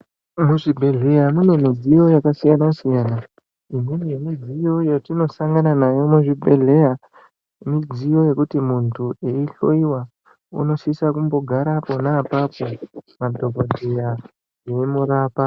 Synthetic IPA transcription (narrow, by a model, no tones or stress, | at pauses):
muʐibʱe̞ɮe̞jamune̞mid͡zijo̞jakasijanasijaːna | imememid͡zijo̞jotino̞saŋɡananajo̞muʐibʱe̞ɮe̞ja | mid͡zijo̞je̞kutimuntʰueiɬoiwa | ṵno̞sisakumbo̞ɡʱaɾapo̞naːpapomadʱobʱodʱeja | jeimuɾaːpa